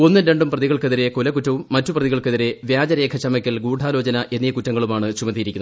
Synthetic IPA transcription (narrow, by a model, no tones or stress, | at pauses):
o̞nːɨɾe̞ɳɖumprɐðiɣɐɭkeðiɾe̞kolɐkutːɐʋumːɐtːuprɐðiɣɐɭkeðiɾe̞ʋjaːd͡ʑɐɾe̞ːkʰɐt͡ɕɐmɐkʲːɐlɡuːɖʱaːlo̞ːt͡ɕɐnɐʔe̞nːijɐkutːɐŋːɐɭumaːɳɨt͡ɕumɐðijiɾikʲːuɐ